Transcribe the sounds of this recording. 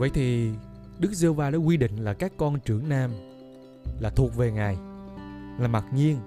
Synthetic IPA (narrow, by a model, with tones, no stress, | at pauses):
və̰˧˨jt̪ʰi˨˩ | ɗɨ˦˥k̚zə˧hwvaː˧ɗa̰ː˧˥kwi˧ɗḭ̈˧˨ŋ̟laː˨˩kaː˦˥kːɔ˧nt͡ɕɨ˧˩əŋnaː˧m | laː˨˩t̪ʰu˨˩ək̚ve˨˩ŋaː˨˩j | laː˨˩ma˨˩t̚ɲi˧ən